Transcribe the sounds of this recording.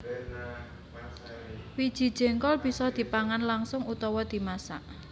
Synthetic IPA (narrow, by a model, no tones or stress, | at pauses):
wid̥ʒ̥i̤d̥ʒ̥ɛ̤ŋkɔlb̥i̤sɔd̪̥i̤paŋanlaŋsʊŋut̪ɔwɔd̪̥i̤masaʔ